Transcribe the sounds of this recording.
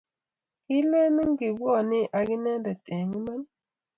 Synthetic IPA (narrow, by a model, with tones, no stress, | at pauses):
ki˦lɛ˦ni˦ŋ˦ɡi˨bɔ˦˨ni˦ʔa˨ɡi˦nɛ˦ndɛ˨te˨ŋi˦ma˦ŋ˦